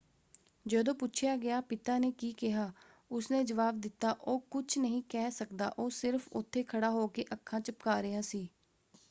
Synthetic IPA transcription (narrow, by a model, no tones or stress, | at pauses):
d͡ʒəːd̪õːpʊt͡ʃʰɪjaːɡɪjaːpɪt̪aːneːkiːkɪɦaː | ʊsnẽːd͡ʒəʋaːb̚d̪ɪt̪ːaːʔoːkʊt͡ʃʰnəɦĩːkɛːsəkd̪a̰ːʔoːsɪɾfʰʊt̪ʰːeːkʰəɽaːɦoːkeːʔəkʰːãːt͡ʃəpkaːɾɪɦaːsiː